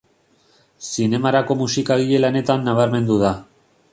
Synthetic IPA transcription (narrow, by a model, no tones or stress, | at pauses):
sine̞maɾako̞musikaɣiʎe̞lane̞t̪anːaβaɾme̞nd̪uða